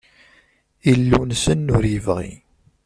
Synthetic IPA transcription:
ilːunsənːʊɾjəvʁḭ

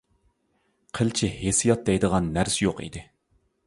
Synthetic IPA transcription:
qʰəlt͡ʃʰihesijɑt̪̚d̪ɛjd̪əʁɑnːæɾsɪjoqḭd̪ɪ

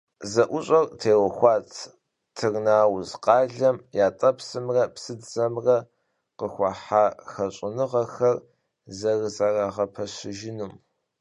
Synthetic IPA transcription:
zɐʔʷʊɕʼɐrtʰeːwɐxʷɑːt͡sʰ | tʰɨrnaːwzqɑːɮɐmjaːtʼɐpsɨmrɐpsɨdzɐmrɐ | qəxʷɑħaːxɐɕʼɪnɨʁɐxɐr | zɐrzɐraːʁɐpʰɐɕɪʒɪnum

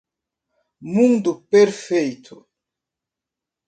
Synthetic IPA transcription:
muŋd̪upeɾfejt̪ʰo

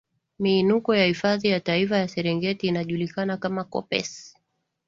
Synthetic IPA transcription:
miːnukɔjahifaðijataifajasɛɾɛŋɡɛtiːnaʄulikanakamakɔ̰pɛ̰s

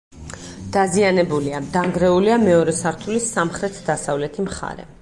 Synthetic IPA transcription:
d̪̥azianɛbuliad̪aŋɡɾɛuliamɛɔɾɛsaɾt̪ʰulisːamχɾɛt̪ʰd̪asavlɛt̪ʰimχa̰ɾɛ̰

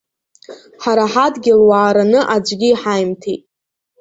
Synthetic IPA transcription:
ħaɾaħadɡʲɪlwaːɾanɨʔad͡ʒʷʼɡʲiːħajmtʰejtʼ

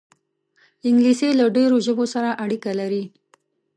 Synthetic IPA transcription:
ɪŋɡliselaɖeɾoʒəbosaɾaʔaɽikalaɾi

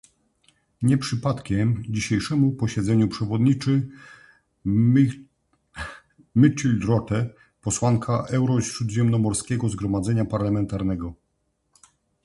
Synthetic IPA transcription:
ɲɛpʂɘpat̪kʲɛmd͡ʑiɕejʂɛmupɔɕɛd̪zɛɲupʂɛvɔd̪ɲit͡ʂɘ | mɘt͡ʂilʲd̪ɾɔt̪ɛ | pɔswaŋkʰaʔɛwɾɔɕɾud̪ʑɛmnɔmɔɾskʲɛɡɔzɡɾɔmad̪zɛɲapaɾlamɛnt̪aɾnɛɡɔ

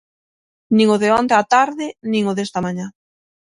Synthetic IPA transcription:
nĩŋʊðɪɔnd̪at̪aɾðɪnĩŋʊðest̪ɐmaɲa

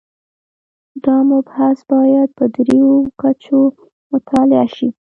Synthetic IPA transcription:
d̪ɑmʊbhasbɑjad̪̚pəd̪ɾejokat͡ʃo | mʊt̪ʰɑlɪa̰ʃi

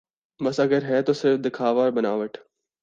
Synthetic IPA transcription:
bɐsɐɡəɾɦɛːt̪osɪɾfd̪ɪkʰaːʋaːɾbɐnaːʋəʈʰ

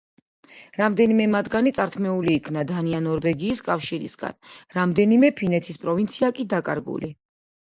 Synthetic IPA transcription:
ɾamd̪ɛnimɛmad̪ɡanit̪sʼaɾt̪ʰmɛuliːkʰnad̪anianɔɾvɛɡiːskʼafʃiɾḭsɡa̰nɾamd̪ɛnimɛpʰinɛt̪ʰispʼɾɔvint̪sʰiakʼid̪akʼa̰ɾɡṵli

